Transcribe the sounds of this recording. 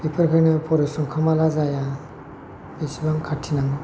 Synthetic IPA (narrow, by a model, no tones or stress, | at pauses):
pipʰɯɾkʰɯɾnɯpʰɔɾɔsɔŋkʰamalazaja | besibaŋkʰatʰinaŋɡu